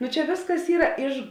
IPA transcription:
ˈnʊ ˈt͡ʃʲɛ ˈʋʲeːsˌkɐs ˈiːrɐ ˈɪʃ

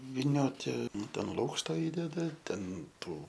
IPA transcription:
ʋʲɪˈnʲoːtʲɪ ˈnʊ ˈtʲɛn ˈlˠuːkʃtɐ ˈiːdʲɛdɐ ˈtʲɛn ˈtuː

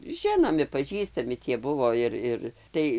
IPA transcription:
ˈʒʲɪnoːmʲɪ pɐˈʒʲiːstɐmʲɪ tʲiɛ ˈbʊʋoː ˈɪr ˈɪr ˈtɐɪ

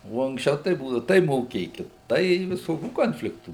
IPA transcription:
oː ɐŋksʲˈt͡ʃʲɛʊ tɐɪ ˈbuːdɐʊ tɐɪ moːˈkʲeːkʲɪt ˈtɐɪ ʋʲɪˈsoːkʲuː ˈkoːnʲfʲlʲɪktuː

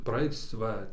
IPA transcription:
prɐˈɐɪt͡s ˈʋɐ

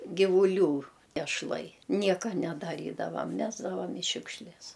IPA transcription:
ɡʲɪʋʊˈlʲuː ɛʃˈlˠɐɪ ˈnʲiɛkɐ nʲɛdɐˈrʲiːdɐʋɐm ˈmʲæːzdɐʋɐm ɪ ˈʃʲʊkʃʲlʲɛs

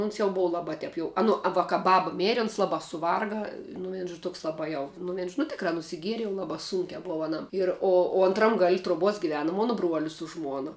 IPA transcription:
ʊns jɛʊ ˈboːʋɐ ˈlˠɑːbɐ ˈtʲɛɪp jɛʊ ɐ ˈnʊ ɐ ʋɐ kɐ ˈbɑːbɐ ˈmʲæːrʲɪ ˈʊns ˈlˠɑːbɑː sʊˈʋɐrɡɐ nʊ ˈʋʲiɛn ʒoː ˈtoːks ˈlˠɑːbɑː jɛʊ nʊ ˈʋʲiɛn ʒoː nʊ tʲɪkˈrɑː nʊsʲɪˈɡʲiɛrʲɪ jɛʊ ˈlˠɑːbɑː ˈsuːŋʲkʲæː ˈboːʋɐ ɐˈnɐm ɪr ˈoː oː ɐntˈrɐm ɡɐlʲ truɔˈbuɔs ɡʲɪˈʋʲæːnʊ ˈmoːnoː ˈbruɔlʲɪs sʊ ˈʒmuɔnɐ

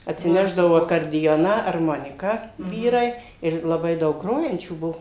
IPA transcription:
ɐtʲsʲɪˈnʲæːʒdɐʋoː ɐkɐrʲdʲɪˈjoːnɑː ɐrˈmoːnʲɪkɑː ˈʋʲiːrɐɪ ɪr lˠɐˈbɐɪ ˈdɐʊk ˈɡroːjɛnʲt͡ʃʲuː ˈbuɔ

